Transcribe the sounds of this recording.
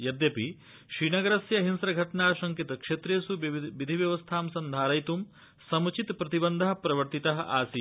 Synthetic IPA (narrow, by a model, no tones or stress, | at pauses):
jɐd̪jɐpi | ʃɾiːnɐɡɐɾɐsjɐɦinsɾɐɡʱɐʈɳaːʃɐŋkit̪ɐkʂet̪ɾeːsuʋid̪ʱiʋjɐʋɐst̪ʰaːmsɐnd̪ʱaːɾɐjt̪um | sɐmut͡ʃit̪pɾɐt̪ibɐnd̪ʱɐɦɐpɾɐʋɐɾt̪it̪ɐɦɐ̆ʔaːsi